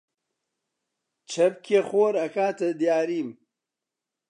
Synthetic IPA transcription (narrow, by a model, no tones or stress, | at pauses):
t͡ʃʰɐb̚kʰeχoːɾɐkaːt̪ɐd̪jaːɾiːm